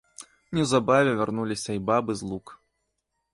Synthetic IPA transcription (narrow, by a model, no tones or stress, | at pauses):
nʲɛwzabavʲɛvʲarnulʲisʲɐibabɨzlˠuk